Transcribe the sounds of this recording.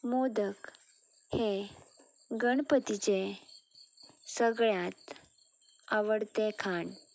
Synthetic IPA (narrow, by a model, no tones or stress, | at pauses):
mod̪ək | he | ɡəɳpət̪it͡ɕe | səɡɭjat̪ | aʋəɽt̪ekʰaɳ